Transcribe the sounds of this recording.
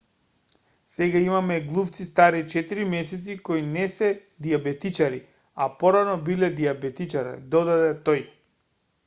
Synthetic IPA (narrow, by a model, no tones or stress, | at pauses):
sɛɡaimamɛɡlˠuft̪sist̪aɾit͡ʃɛt̪iɾimɛsɛt̪sikojnɛsɛ | d̪iabɛt̪it͡ʃaɾi | a̰pɔɾanɔbilɛd̪iabɛt̪it͡ʃaɾɛ̰d̪ɔd̪ad̪ɛt̪oj